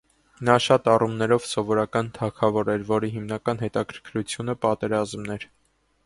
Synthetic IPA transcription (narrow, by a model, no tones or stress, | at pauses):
nɑʃɑt̪ɑrumnɛɾɔvsɔvɔɾɑkɑnt̪ʰɑkʰɑvɔɾɛɾvɔɾiɦimnɑkɑnɦɛt̪ɑkʰəɾkʰɾut͡sʰjunəpɑt̪ɛɾɑzmnɛɾ